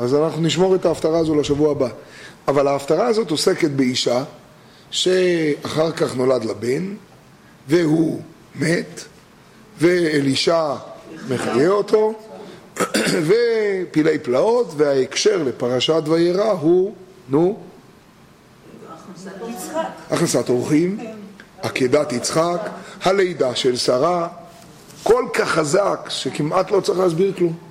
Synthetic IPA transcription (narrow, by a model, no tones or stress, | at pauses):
azanaχnuniʃ̬mo̞ʁet̪aːft̪aʁaːzolaʃavuabaavalaːft̪aʁaːzo̞to̞se̞ke̞t̪be̞iʃa | ʃe̞aχaʁkaχno̞lad̪laben | veɦu | met̪ | ve̞ːliʃame̞χajeo̞tʰo̞ | ve̞pile̞jplao̞t̪vehaekʃe̞ʁle̞paʁaʃat̪vajeʁaɦu | nu | ʔaχnasat̪oʁχimhakedat̪it͡sχakhale̞jd̪aʃe̞lsaʁa | ko̞lkaχːazakʃekimʔat̪lo̞t͡saʁiχlːsbiʁklum